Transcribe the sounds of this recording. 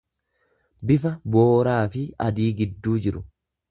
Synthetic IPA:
bɪfɐboːɾaːfɪɐd̪iːɡɪd̪ːuːd͡ʒɪɾʊ

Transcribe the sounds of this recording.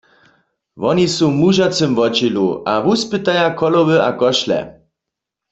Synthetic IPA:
ʋɔnisumuʒat͡sɨmvɔt͡ʃilṵʔavuspɨt̪ajakʰɔlɔwəakɔʃlɛ̰

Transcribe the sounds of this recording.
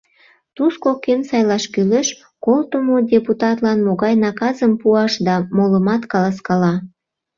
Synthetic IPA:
t̪uskokensɑjlɑʃkyleʃ | kolt̪əmodʲeput̪ɑt̪lɑnmoɣɑjnɑkɑzəmpuɑʃd̪ɑmoləmɑt̪kɑlɑskɑlɑ

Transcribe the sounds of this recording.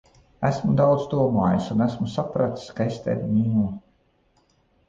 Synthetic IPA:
æsmud̪awd̪zd̪uɔmaːjusunæsmusapɾat̪i̥skaest̪æ̰ɾʲimʲiːnuː

